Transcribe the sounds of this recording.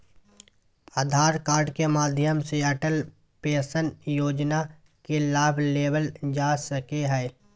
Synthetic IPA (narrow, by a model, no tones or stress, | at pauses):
aːd̪ʱaːɾkaːɾɖkemaːd̪ʱjəmseɐʈəl | peːsənjoːd͡ʒna | kelaːbʱleːbəld͡ʒaːsəkeɦɛː